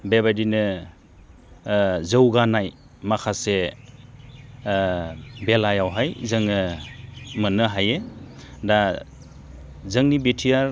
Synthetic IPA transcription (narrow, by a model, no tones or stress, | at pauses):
beβadinɯ | zɯwɡanaj | makʰase | belajawɦajzɯŋɯ | mɯnɯɦajeda | zɯŋnibetʰijaɾ